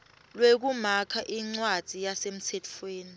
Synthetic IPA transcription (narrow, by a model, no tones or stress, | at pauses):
lwek̬umakʰaʔiŋ͡ǀwad̥z̥ʱijasem̩sʰɛtʰfweːni